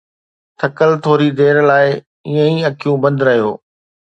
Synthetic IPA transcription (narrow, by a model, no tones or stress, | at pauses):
t̪ʰɐkəlt̪ʰoːɾid̪eːɾlaːɪ | iːə̃ĩɐkʰijũbɐ̃nd̪ɾɐɦijoː